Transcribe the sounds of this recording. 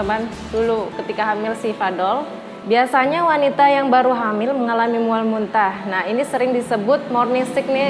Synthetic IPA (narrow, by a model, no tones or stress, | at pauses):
əman | dulukət̪ikaɦamɪlsifadɔl | biasaɲawanit̪ajaŋbaɾuɦamɪlməŋalamimualmunt̪ahnahinisəɾɪŋdisəbʊt̪̚mɔrnist̪ɪk̚nɪ